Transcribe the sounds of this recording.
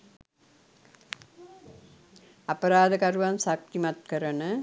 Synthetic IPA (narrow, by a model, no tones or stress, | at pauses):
ɐpɐɾaːd̪ɐkɐɾuʋɐnsɐk̚t̪imɐt̪̚kɐɾɐnɐ